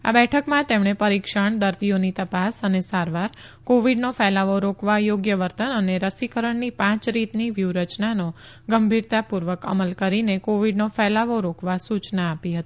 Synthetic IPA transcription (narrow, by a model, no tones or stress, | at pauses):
a̰bɛʈʰəkmãt̪emɽ̃epəɾikʃəɳd̪əɾd̪ijonit̪əpasənesaɾʋaɾ | koʋiɖnofɛlaʋoɾokʋajoɡjəʋəɾt̪ənəneɾəsikəɾəɳnipãt͡ʃɾit̪niʋjuɾət͡ʃnano | ɡəmbʱiɾt̪apuɾʋəkə̰məlkəɾinekoʋiɖnofɛlaʋoɾokʋasut͡ʃnaːpiɦət̪i̥